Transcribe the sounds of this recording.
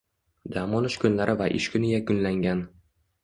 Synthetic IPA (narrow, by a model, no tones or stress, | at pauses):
d̪amɒnɪʃkʰʊnlaɾʔɪvaʔɪ̰ʃkʰʲʊnɪjakʊnlaŋɡʲan